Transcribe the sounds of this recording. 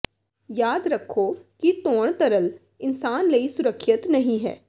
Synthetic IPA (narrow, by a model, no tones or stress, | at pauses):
jaːd̪ɾɐkʰːokit̪oːɽ̃t̪əɾəl | ɪnsaːnlɐisʊɾəkʰːʃɪt̪nɐɦĩɦɛ̰ː